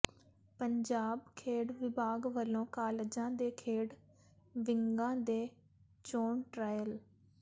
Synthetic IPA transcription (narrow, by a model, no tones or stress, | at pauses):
pəɲd͡ʒaːbkʰeːɽʋɪbaːɡʋəlõːkaːled͡ʒãːd̪eːkʰeːɽ | ʋɪŋɡãːd̪eː | t͡ʃoːɳʈɾaːjəl